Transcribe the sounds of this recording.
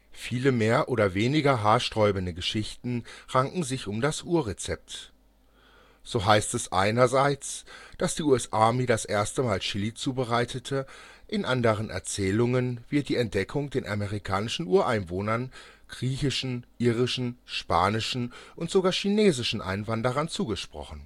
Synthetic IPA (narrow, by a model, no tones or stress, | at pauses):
fiːləmeːɐʔoːɾɐveːnɪɡɐɦaːɐʃtʁ̥ɔʏbən̩dəɡəʃɪçtn̩ʁaŋʔŋ̩zɪçʊmdasʔuːɐʁet͡sɛp̚t | z̥oːɦaɪstɛsʔa̰ɪnɐzaɪt͡sd̥asd̥iːuːɛsʔaːmiːdasʔeːɐstəmaːlʃɪlit͡suːbəʁaɪtʰətʰə | ʔɪnʔandəʁ̞ənʔɛ̰ɐt͡sɛːlʊŋənvɪɐt̚d̥iːɛnt̚d̥ɛkʰʊŋdeːnʔa̰meʁ̞ikʰaːnɪʃn̩ʔuːɐʔaɪnvoːnɐn | ɡ̥ʁiːçɪʃn̩ʔiːʁɪʃn̩ʃpa̰ːnɪʃn̩ʔʊntz̥oɡaːɐʃineːzɪʃn̩ʔa̰ɪnvandəʁ̞ɐnt͡suːɡəʃpʁ̥ɔ̰χn̩